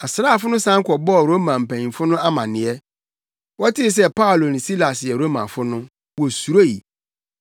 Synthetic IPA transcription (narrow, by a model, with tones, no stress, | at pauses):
a˨sɾaː˦˨fʊ˦nʊ̃˦sã˦ŋ˦kʰɔ˨bɔ˦ɔ˨ɾo˦mã˨m̩˨pæ̃˨ɲĩ˨fʊ˦nʊ̃˦a˦mã̰˨nɪ̃˨ɛ˦ | wɔ˦tʰɪ˦s̬ɛ˦pa˦˨lo˨nɪ̃˨si˦la˨sjɛ˨ɾo˦mã̰˨fʊ˦nʊ̃˦ | wɔ˨su˨ɾo˦ji˨